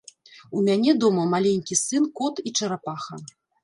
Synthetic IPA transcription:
umʲanʲɛd̪ɔmɐmalʲenʲkʲisɨnkɔt̪it͡ʂɐɾapaxɐ

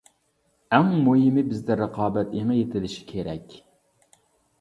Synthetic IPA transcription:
æŋmojɪmɪbɪzd̪ɪɾəqʰɑːbɛt̪eŋɨjet̪ʰɪlɪʃi̥kʲʰeɾɛkʲ

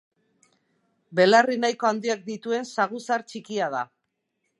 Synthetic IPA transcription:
be̞larinajko̞and̪iak̚d̪it̪ue̞nsaɣusaɾt͡ʃikiað̞a

